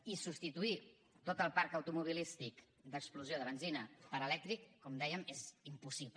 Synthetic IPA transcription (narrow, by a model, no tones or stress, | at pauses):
isupst̪it̪ui | t̪ot̪əlˠpaɾkəwt̪umuβ̞ilist̪ik | d̪əkspluzjoðəβənzinəpəɾəlɛk̚t̪ɾikːɔmd̪ɛjəmezimpusipl